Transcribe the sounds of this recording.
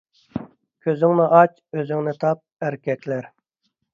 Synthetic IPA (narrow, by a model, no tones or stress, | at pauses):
kʲʰøzyŋnɪʔɑt͡ʃ | øzyŋnɪt̪ʰɑp̚æɾkʲɛk̪ʲʰlæɾ